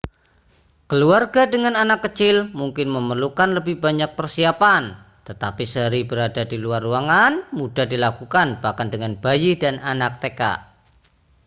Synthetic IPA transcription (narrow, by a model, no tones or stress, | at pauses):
kəluarɡadəŋananakːət͡ʃɪlmuŋkɪnməmərlukanləbɪhbaɲak̚pərsiapan | t̪ət̪apisəɾibəɾadadiluaruaŋanmudahdilakukanb̥ahkandəŋanb̥ajidananak̚t̪eka̰ʔ